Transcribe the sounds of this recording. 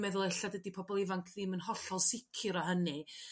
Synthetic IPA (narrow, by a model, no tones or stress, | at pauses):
mɛðʊlˠeɬadədipʰɔbɔlˠɪvaŋkʰðɪmənhɔɬɔlˠsɪkʰɪɾɔɦənɨ